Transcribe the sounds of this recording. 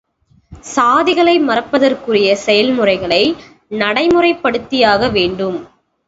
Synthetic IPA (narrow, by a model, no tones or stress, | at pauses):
saːðɪɣɐɭɐɪmɐrɐpːɐðɐrkɯrɪjɐsɛjɐlmɯrɐɪɣɐɭɐɪ | nɐɽɐɪmɯrɐɪpːɐɽɯt̪ːɪjaːɣɐʋeːɳɖɯm